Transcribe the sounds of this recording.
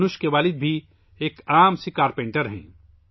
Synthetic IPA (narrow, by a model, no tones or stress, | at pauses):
nʊʃkeʋaːlɪd̪̚bʱi | eːkaːmsikaːɾpẽːɳʈəɾɦɛ̰̃ː